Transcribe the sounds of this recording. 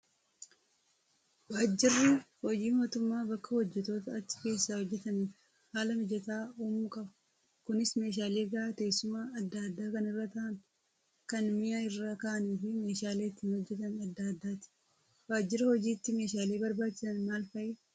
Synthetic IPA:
waːd͡ʒːɪrːɪhɔd͡ʒiːmoːt̪ʊmːaːbɐkːɐhɔd͡ʒːɛt̪o̞ːt̪ɐɐt͡ʃːɪ̥ke̞ːsːaːhɔd͡ʒːɛt̪ɐniːf | haːlɐmɔd͡ʒːɛt̪aːuːmʊkʼɐbɐ | kʊnɪsme̞ːʃ̬aːleːɡɐat̪e̞ːsːʊmaːɐd̪ːad̪ːaːkɐnɪrːɐt̪ɐʔɐn | kɐnmɪjaɪrːaːkɐʔɐniːfɪme̞ːʃaːle̞ːɪt̪ːiːnhɔd͡ʒːɛt̪ɐnɐd̪ːaːd̪ːaːt̪ɪ̥ | waːd͡ʒːɪɾɐhɔd͡ʒiːt̪ːɪme̞ːʃaːleːbɐɾbaːt͡ʃːɪsɐnmaːlfɐʔɛ

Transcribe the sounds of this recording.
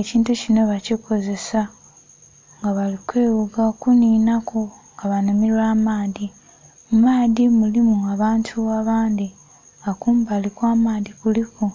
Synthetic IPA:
eciːntucino̞βacikʰo̞ze̞sa | ŋɡaβalikweːβuɡakuniːnakoŋɡaβanomiɾwaːmaːði | mumaːðimulimuaβaːntʰuaβaːnd̪i | ŋɡakuːmbalikwaːmaːðikuliko

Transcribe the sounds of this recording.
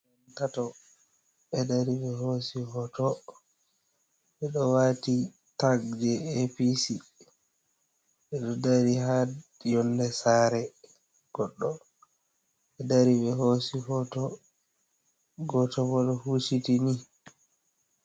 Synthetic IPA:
jɔntatɔ | ɓɛdaɾiɓɛhosihɔtɔ | ɓɛɗɔwati | taɡd͡ʒɛepisi | ɓɛɗɔdaɾiɦajɔndɛsaːɾɛ | ɡ̥ɔɗːɔ | ɛdaɾibɛɦosihɔtɔ | ɡɔtɔbɔɗɔhusitini

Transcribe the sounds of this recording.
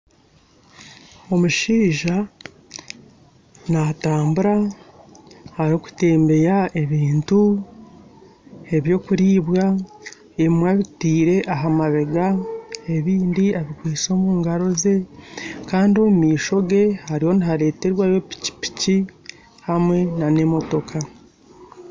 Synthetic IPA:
o̞muʃiːʒa | nataːmbuɾa | haɾo̞ku̥te̞ːmbe̞jae̞βiːntu | e̞βjo̞ːkuɾiːβwa | eimwaβitiːɾe̞ʔaɦamaβe̞ɡae̞βiːndiaβikwiːt͡so̞ːmuːŋɡaɾo̞ze̞kaːndiomumiːʃo̞ɡe̞haɾiho̞niɦaɾe̞ːte̞ɾwajo̞pi̥ci̥pi̥ci | hamwe̞nane̞mo̞to̞kʰa

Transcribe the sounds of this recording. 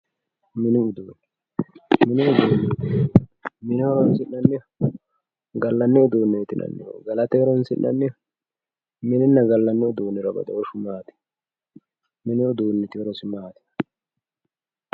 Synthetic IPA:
mɪnɪʊd̪oːnɛ | mɪnɛʔɔd̪oːnːɛ | mɪnɛɔɾɔnsɪnːɐnːɛ | ɡɐlːɐnːɛʊd̪oːnːɛt̪ɪnɐ̰nːɛ̰ɡɐlɐt̪ɛɾɔnsɪ̰nʔɐ̰nːɛ | mɪnɪnːɐɡɐlːɐnːɛʊd̪oːnːɪɾɐbɐ̰d̪ɐɔʃʊmaːt̪ɪ̥ | mɪnɪʊd̪oːnːɛt̪ɪɾɔsɪmaːt̪ɪ̥

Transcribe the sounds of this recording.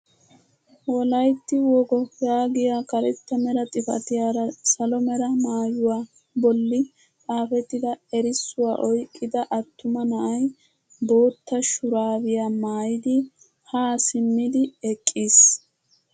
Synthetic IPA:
wɔlɐjt̪ːɪwɔɡɔfaːɡɪjaːkɐɾɛt̪ːɐmɛɾɐt̪ʼɪfɐ̰t̪ɪjaːɾɐsɐlɔmɛɾɐmaːjʊwaː | bɔlːɪ | aːfɛt̪ːɪd̪ɐɛɾɪsːʊwa̰ːʔɔjkʼːɪd̪ɐʔɐt̪ːʊmɐnɐʔɐj | bo̞ːt̪ːɐʃʊɾaːwɪjaːmaːjɪd̪ɪ | haːsɪmːɪd̪ɪɛkʼːiːs

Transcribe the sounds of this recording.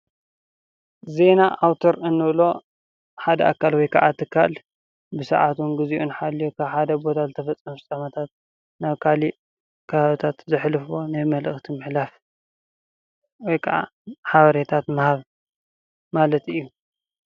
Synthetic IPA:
ze̞naʔawt̪ʰoɾɨnːɨβlo̞ | ħad̪ɐakʰːalwɔjkʰa̰ʕat̪ʰɨkʰːa̰l | bɨsɐ̰ʕat̪ʰunɡɨziʔunħalːijukʰaβħad̪ɐbo̞t̪ʰazɨt̪ʰɐfɐt͡sʼːɐmt͡sʼɐmɐt̪ʰat̪̚ | naβkʰali | kʰɐβaβɨt̪ʰat̪zɨħlɨfo̞najmɐlʔɨxt̪ʰimɨħlaf | wɔjkʰaʕa̰ | ħaβɐɾet̪ʰat̪mɐhaβ | malɐt̪ɨjːu

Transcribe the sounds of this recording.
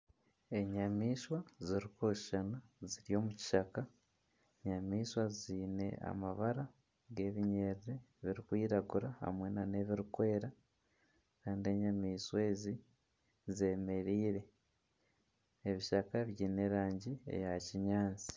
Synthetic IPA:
e̞ɲamiːʃwaziɾikoʃʃanaziɾio̞ːmuci̥ʃaka | ɲamiːʃwaziːne̞̰a̰maβaɾa | ɡe̞ːβiɲe̞ɾiɾe̞βiɾikwiːɾaɡuɾaha̰mwe̞nane̞βiɾikwe̞ːɾa | kaːndie̞ɲamiːʃwe̞ːzi | ze̞ːme̞ɾiːɾe̞ | βiʃakaβjiːne̞ɾaːɲɟie̞̰jaciɲaːnt͡si̥

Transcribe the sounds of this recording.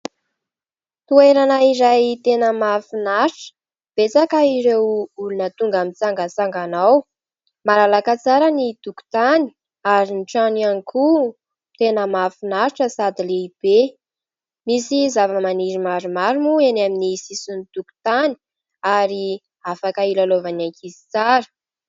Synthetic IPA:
t̪ueɾanaiɾajt̪enəmafinaɾʈ͡ʂə̥ | b̥et͡sakaiɾewulunət̪uŋɡamit͡saŋɡət͡saŋɡanaw | maɾalakat͡saɾənid̪̥uku̥t̪ani̥ | aɾinʈ͡ʂanianikʰu | t̪enəmafinaɾʈ͡ʂəsad̪ileib̥e | misizavəmaniɾimaɾumaɾumuenaminisisunid̪̥uku̥t̪ani̥ | aɾi | afakailalovanaŋkʰizi̥t͡saɾə̥

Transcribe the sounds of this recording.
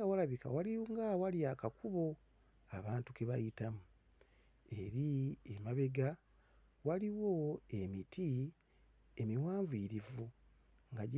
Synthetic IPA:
awalaβika̰waliŋɡawaliakakʰuβo̞ | a̰βaːntukeβa̰jitamu | e̞ɾiemaβe̞ɡa | waliwo̞e̞mitʰi | emiwaːɱviːɾivu | ŋɡaɟ

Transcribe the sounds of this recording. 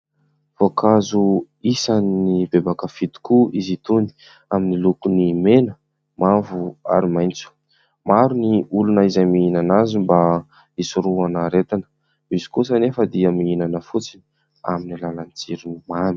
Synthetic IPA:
v̥okʰazu | isannibebakəfit̪i̥kuizit̪uni̥ | aminilukunimenə | mavua̰ɾimajnt͡su̥ | maɾuniulunaizajmiinanazimba | isuɾuanaɾet̪anə̥ | vizi̥kus̬anefəd̪iəmiinanəfut͡sini̥ | a̰minilalanit͡siɾinimami̥

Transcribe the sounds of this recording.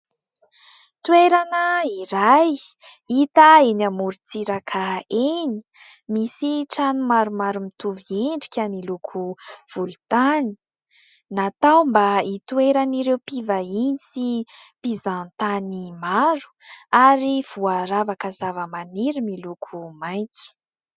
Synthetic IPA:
t̪uweɾanəiɾaj | it̪aenamuɾit͡siɾakʰaeni̥ | misiʈ͡ʂanumaɾumaɾumit̪uvieɳɖ͡ʐi̥kʲamilukʰuv̥ulut̪ani̥ | nat̪awmbait̪ueɾaniɾewpivainisipizant̪animaɾu̥aɾiv̥uaɾavakəzavəmaniɾimilukʰumajki̥

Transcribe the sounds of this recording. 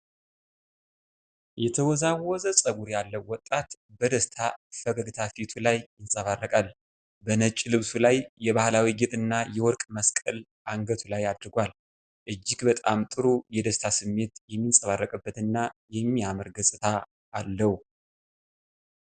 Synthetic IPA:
jɛt̪ʰəwɔzawɔzəsʼəɡuɾjalːəwːɔt̪ʼːat̪bəd̪əst̪ʰafəɡəɡɨt̪ʰafit̪ʰulajjɪnsʼəβarːəkʼal | bənət͡ʃʼilɨβsulajːɛβahlawiɡet̪ʼɨnːajɛwɔɾkʼməskʼəl | ʔaŋɡət̪ʰulajad̪ɾɡʷal | ʔɨd͡ʒːɪɡbət̪ʼamt̪ʼɨɾujɛd̪əst̪ʰasɨmːe̞t̪jɛmːinsʼəβarːəkʼɨbːət̪ɨnːajɛmːiaməɾɡəsʼɨt̪ʰaː | lːəhu

